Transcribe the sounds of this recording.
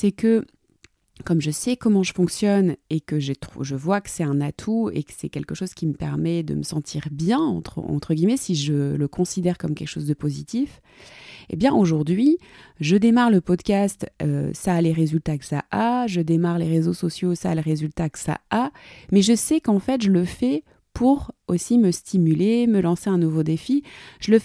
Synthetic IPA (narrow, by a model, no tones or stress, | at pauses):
sɛkə | kɔmʒəsɛkɔmɑ̃ʒəfɔ̃ksjɔnekəʒet̪χuʒəvwakə̥sɛt̪ɛ̃nat̪ʰuḛkə̥sɛkʲɛlkəʃoz̥kʲiməpɛʁmɛd̪ə̰məsɑ̃t̪ʰiʁbjɛ̃ɑ̰̃t̪χə̰ɑ̰̃t̪χəɡʲimɛsiʒələkʰɔ̃sid̪ɛʁkɔmkʲɛlkə̥ʃozd̪əpozit̪if | ḛbjɛ̃ʔoʒuʁd̪ɥiʒəd̪emaʁləpɔd̪kʲast̪ø̰saleʁezylt̪akə̥sa̰ʔaʒəd̪emaʁleʁezosɔsjosaleʁezylt̪akə̥sa̰amɛʒəsɛkɑ̃fɛt̪ʒələfɛ | pʰuʁosiməst̪ʰimyleməlɑ̃seɛ̃nuvod̪efiʒ̥ələ